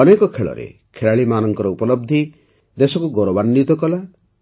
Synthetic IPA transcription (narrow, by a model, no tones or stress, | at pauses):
ɔnekɔkʰeɭɔ̰ɾḛkʰeɭaɭimanɔŋkɔɾɔupɔlɔb̚d̪ʱi | d̪esɔkuɡɔɾɔbanːit̪ɔkɔla